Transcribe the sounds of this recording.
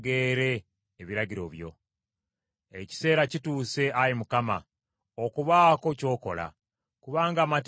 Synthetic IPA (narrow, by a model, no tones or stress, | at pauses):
ɡeːɾe̞ː | βiɾaɟiɾo̞̰βjo̞̰ | eci̥se̞ːɾacituːse̞ʔajimukama̰ | okuβaːko̞co̞ːko̞la̰ | kuβaːŋɡaːmat